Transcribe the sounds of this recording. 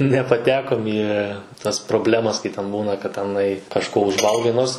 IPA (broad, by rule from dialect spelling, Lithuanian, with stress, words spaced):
nʲɛpɐˈtʲæːkoːm iː tɐs proːˈbʲlʲæːmɐs kɐɪ tʲɛn ˈbuːnɐ kɐt tʲɛˈnɐɪ kɐʃˈkoː ʊʒˈʋɐlˠɡɐɪ ˈnoːrs